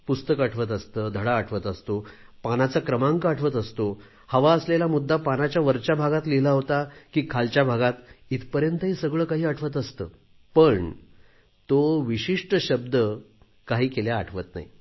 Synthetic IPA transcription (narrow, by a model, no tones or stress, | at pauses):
pust̪əkaʈʰʋət̪̬əst̪əːd̪ʱəɽaːʈʰʋət̪əst̪opanat͡sakɾəmãŋɡaʈʰʋət̪əst̪o | həʋaəslelamud̪ʱːapanat͡ɕjaʋəɾt͡ɕjabʱaɡat̪lelaɦot̪akiːkʰalt͡ɕjabʱaɡat̪it̪pəɾjənt̪əɦiːsəɡɭəːkaɦiːəʈʰʋət̪əst̪əː | pəɳ | t̪oʋiɕiʂʈəɕəb̚d̪ə | kaɦiːkeljaːʈʰʋət̪na̰ɦḭ